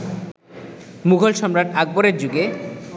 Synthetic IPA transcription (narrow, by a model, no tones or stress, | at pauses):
muɡʱolʃɔmɾaʈaɡ̚boɾeɾd͡ʑuɡe